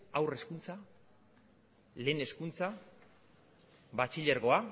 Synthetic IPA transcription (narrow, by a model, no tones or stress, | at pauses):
awre̞skunt͡sa | le̞ːne̞skunt͡sa | bat͡ʃiʎeɾɣo̞a